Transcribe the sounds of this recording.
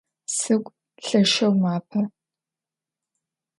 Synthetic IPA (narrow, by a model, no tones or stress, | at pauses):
sɨkʷʼ | ɬɐʃɐwmaːpʰɐ